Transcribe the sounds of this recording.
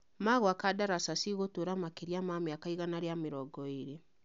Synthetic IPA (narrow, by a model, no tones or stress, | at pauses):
maɣoakadaɾasasiɣotoɾamakeɾjamamjakaiɣanaɾjameɾɔɡɔeɾe